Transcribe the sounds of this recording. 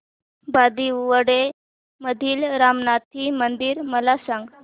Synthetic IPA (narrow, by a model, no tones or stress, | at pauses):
bad̪iuʋəɽe | məd̪ʱiːlɾamnat̪ʰimənd̪iːɾməlasãŋɡ